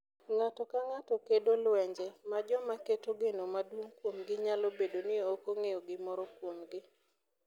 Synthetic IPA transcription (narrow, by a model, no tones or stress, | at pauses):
ŋatɔkaŋatɔkedolwɛɲd͡ʒɛmad͡ʒɔmaketoɡenɔmadwoŋkwomɡɪɲalobedonɪokoŋejɔɡɪmɔɾɔkwomɡɪ